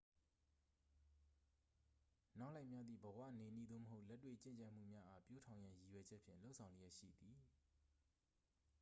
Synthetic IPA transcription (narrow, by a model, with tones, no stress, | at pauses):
na˦ʊʔla˦ɪʔmja˦d̪ðḭ˦˨bəwä̰˦˨ne˨nḭ˦˨d̪o̰˦˨məɦo˦ʊʔlɛ˦tːwḛ˦˨t͡ɕɪ̰̃˦˨ɲt͡ɕa˦˨m̥ṵ˦˨mja˦ʔa˦pjo˦tʰã˨ʊ̃jã˦ji˨wɛ˨d͡ʑɛ˦ʔpʰjɪ̰̃˦˨lo˦sʰã˨ʊ̃le˦jɛ˦ʔʃḭ˦˨d̪i˨